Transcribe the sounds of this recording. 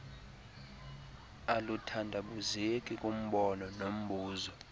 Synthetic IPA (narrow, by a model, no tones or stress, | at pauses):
alutʰandʱaɓuzekʼikʼum̩ɓɔnɔnom̩ɓʱuːzɔ